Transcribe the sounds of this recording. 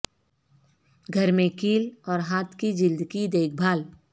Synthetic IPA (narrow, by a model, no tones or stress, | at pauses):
ɡʱəɾmẽkiːlɔːɾɦaːt̪ʰkid͡ʒɪld̪kid̪eːk̚ʰbʱaːl